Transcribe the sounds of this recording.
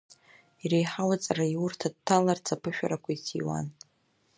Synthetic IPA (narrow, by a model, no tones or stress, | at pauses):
irejħawat͡sʼarajurtʰad̚tʰːalart͡sʰapʰɨʃᶣa̰ɾakʷaitʰḭwa̰n